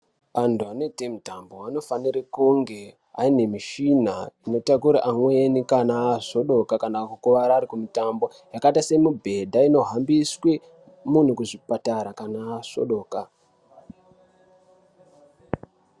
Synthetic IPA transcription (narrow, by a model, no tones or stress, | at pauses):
ʋantuane̞temutambo̞wano̞faniɾekuŋɡe̞ | a̰ine̞miʃinaino̞tak̬uɾaʔamwenikanaːso̞ɗo̞kakanakukuʋaɾaːɾikumitambo̞ | jakatase̞mubʱe̞dʱaino̞ɦambiswe | mun̤ukuʐipataɾakanaso̞̰ɗo̞ːka